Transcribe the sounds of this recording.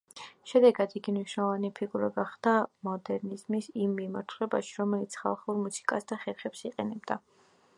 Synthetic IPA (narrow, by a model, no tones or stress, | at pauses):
ʃɛd̪ɛɡad̪iɡimniʃnalˠɔvanipʰiɡuɾɔɡaχd̪̥amɔd̪ɛɾnizmisimːimaɾt̪ʰulɛbaʃiɾɔmɛlit̪sʰχa̰lˠχuɾmusi̥kʼasd̪aχɛɾχɛpsiqʼɛnɛbd̪a